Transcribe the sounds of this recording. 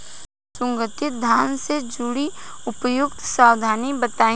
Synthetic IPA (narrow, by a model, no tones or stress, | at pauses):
sʊ̃ŋɡət̪ɪt̪̚d̪ʱaːnsed͡ʒʊɽiʊpəjʊkt̪saːwd̪ʱaːnibət̪ãː